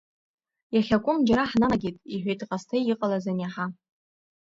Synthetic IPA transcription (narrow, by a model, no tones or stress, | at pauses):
jaχʲakʷʼʊmd͡ʒaɾaħnaɡʲitʼiħᶣʷejtʰʼqʼastʰajɪqʼalazanjaħa